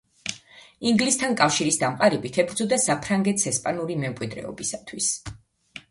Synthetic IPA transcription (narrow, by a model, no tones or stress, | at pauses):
iŋɡlist̪ʰankʼafʃiɾisd̪amqʼaɾɛbit̪ʰɛbɾd̪zɔd̪asapʰɾaŋɡɛt̪ʰsɛspʼanuɾimɛmkʼwid̪ɾɛ̰ɔ̰bisat̪ʰwis